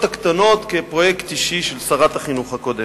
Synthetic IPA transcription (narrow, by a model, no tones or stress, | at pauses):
t̪akt̪ano̞t̪kepʁojekt̪iʃiʃelsaʁat̪haχinuχakod̪em